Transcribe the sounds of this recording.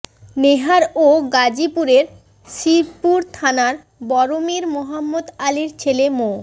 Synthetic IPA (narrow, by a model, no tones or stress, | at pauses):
neɦaɾoɡad͡ʑipuɾeɾ | ʃipuɾt̪ʰanaɾ | bɔɾomiɾmoɦamːod̪aliɾt͡ɕʰelemo